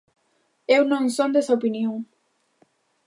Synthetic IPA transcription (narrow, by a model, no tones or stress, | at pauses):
ewnõŋsõnd̪esaopinjoŋ